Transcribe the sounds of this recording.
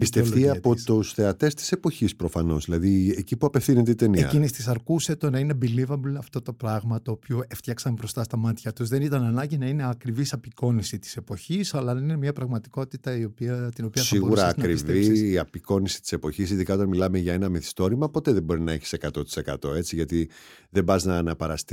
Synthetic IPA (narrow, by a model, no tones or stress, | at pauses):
pist̪eflt̪iɐpot̪usθe̞ɐt̪e̞st̪i̥se̞po̞çispɾo̞fɐno̞zðilɐðiecipuɐpe̞fθinet̪eit̪enieɐ̰cinist̪is̬ɐɾkuset̪onɐine̞bilivɐblɐft̪o̞t̪o̞pɾɐɣmɐt̪oːpioeft̪çɐksɐmbɾo̞st̪ɐst̪ɐmɐt̪çɐt̪uzðenit̪ɐnɐnɐɲɟinɐine̞ɐkɾivisɐpiko̞nisit̪i̥se̞po̞çisɐlɐðeninemɲɐpɾɐɣmɐt̪i̥ko̞t̪it̪ɐio̞piɐt̪ino̞piɐsiɣouɾɐːkɾiviːɐpiko̞nisi̥t̪i̥se̞po̞çisiðikɐo̞t̪ɐnmilɐmeʝɐe̞nɐmeθi̥st̪o̞ɾimɐpo̞t̪e̞ðebo̞ɾinɐe̞çi̥se̞kɐt̪o̞t̪i̥se̞kɐt̪o̞e̞t͡siʝɐt̪iðebɐznɐnɐpɐɾɐst̪i